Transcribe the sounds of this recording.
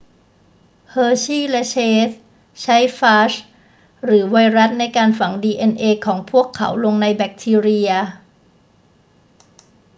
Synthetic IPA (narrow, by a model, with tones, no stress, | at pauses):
hɤː˧t͡ɕʰiː˥˩lɛ˦˥t͡ɕʰeː˦˥s̚ | t͡ɕʰa˦˥jfaː˦˥s | ɾɯː˩˦wa˧jɾa˦˥t̪̚na˧jkaː˧nfa˩˦ŋdiː˧ʔe˧nʔeː˧kʰɔː˩˦ŋpʰu˥˩əkʰːa̰˩˦wlo˧ŋna˧jbɛ˨˩k̚t̪ʰiː˧ɾi˧ɐ